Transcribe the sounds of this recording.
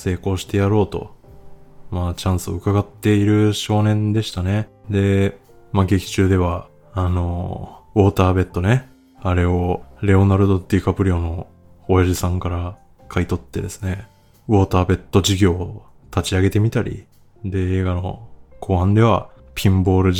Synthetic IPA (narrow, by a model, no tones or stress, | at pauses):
se̞ːko̞ːɕi̥t̪e̞jaɾo̞ːt̪o̞̰ | maːt͡ɕãɰ̃sɨo̞ɯ̟kaɡat̪ːe̞iɾɯ̟ɕo̞ːnẽ̞nd̪e̞ɕi̥t̪ane̞d̪e̞ | maɡe̞kʲi̥t͡ɕɨːd̪e̞βa | ano̞βo̞ːt̪aːbe̞t̪ːo̞ne̞ | aɾe̞o̞ɾe̞o̞naɾɯ̟d̪o̞t̪ikapɯ̟ɾʲio̞no̞ː | jaʑisãŋkaɾa | kʰait̪o̞t̪ːe̞d̪e̞sɨ̥ne̞ | βo̞ːt̪aːbe̞t̪ːo̞ʑiɡʲo̞ː | t̪at͡ɕiaɡe̞t̪e̞mʲit̪aɾʲḭ | d̪e̞eːɡano̞̰kʰo̞ːhãnd̪e̞β̞a | pʲʰĩmbo̞ːɾɯ̟